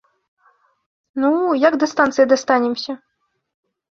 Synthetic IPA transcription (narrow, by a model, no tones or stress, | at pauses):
nujaɡd̪ɐst̪ant̪sɨjid̪ɐst̪anʲɛmsʲɐ